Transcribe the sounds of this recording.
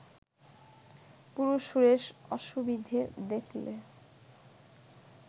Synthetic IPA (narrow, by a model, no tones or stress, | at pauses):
puɾuʃuɾeʃɔʃubid̪ʱed̪ekʰlḛ